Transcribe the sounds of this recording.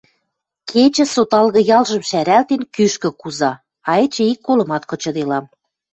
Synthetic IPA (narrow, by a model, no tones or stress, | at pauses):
kʰet͡ɕə̆sot̪ɑlɣɤ̆jɑlʒə̆mʃæɾælt̪enkyʃkə̆kuzɑ | ɑet͡ɕə̆ikːolɤ̆mɑt̪kɤ̆t͡ɕɤ̆d̪elɑm